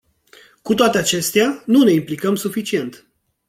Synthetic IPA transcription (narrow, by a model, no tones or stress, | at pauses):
kut̪oat̪e̞at͡ʃe̞st̪eanune̞implikəmsufit͡ʃie̞nt̪